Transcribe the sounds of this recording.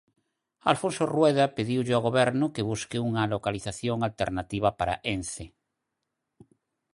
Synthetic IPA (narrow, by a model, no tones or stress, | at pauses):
a̰lfõnsorwɛðapeðiwʎeaɣoβɛɾnʊkeβ̞uskeuŋalokaliθaθjoŋalt̪ḛɾnat̪iβ̞apaɾa̰ʔenθe